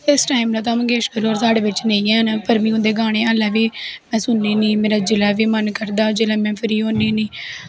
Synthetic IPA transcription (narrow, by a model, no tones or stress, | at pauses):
ɪsʈaːɪmlãːt̪̬ãːmə̃ɡeːʃkəɾoːɔːɾsaːɽeːʋɪt͡ʃnə̃ĩːɛ̃ːnapəɾmĩːʊ̃nd̪eːɡaːɽ̃ẽːaːlɛːʋiːmɛ̃ːsʊnːiːnĩːmeːɾaːd͡ʒɪlaːʋiːmənkəɾd̪aːd͡ʒeːlɛ̃ːmɛ̃ːpʰəɾiːoːniːnĩː